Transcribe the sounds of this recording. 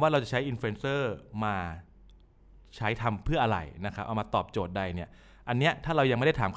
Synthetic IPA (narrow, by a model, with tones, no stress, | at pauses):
waː˥˩ɾa˧wt͡ɕa˨˩t͡ɕʰa˦˥jʔi˧nfe˧nsɤː˥˩maː˧ | t͡ɕʰa˦˥jt̪ʰa˧mpʰɯ˥˩ɐʔa˧ɾa̰˨˩jna˦˥kʰa˦˥pʔa˨˩wmaː˧t̪ɔː˨˩p̚t͡ɕoː˨˩t̪̚da˧jni˥˩ɐ | ʔa˧nːi˦˥ɐt̪ʰaː˥˩ɾa˧wja˧ŋm˥˩da˥˩t̪aː˩˦mkʰ